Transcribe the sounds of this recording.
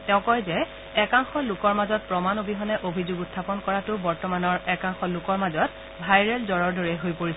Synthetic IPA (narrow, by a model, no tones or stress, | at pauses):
tɛʊ̃kɔjzɛ | ɛkaŋxɔlʊkɔɹmazɔt̚pɹɔmanobiɦɔnɛʔobʱizʊɡutʰːapɔnkɔɹatʊbɔɹtɔmanɔɹɛkaŋxɔlʊkɔɹmazɔt̚ | bʱajɹɛlzɔɹɔɹdɔɹɛɦojpoɹis